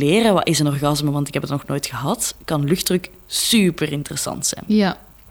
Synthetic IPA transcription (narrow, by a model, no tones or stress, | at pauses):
leːrəʋɑ̰ʔɪzənɔrɣɑzməʋɑntɪkɦɛpətnɔxnoːjtxəɦɑtkɑnlɵxdrɵk | sypərɪntərəsɑ̰ntsɛ̰jnja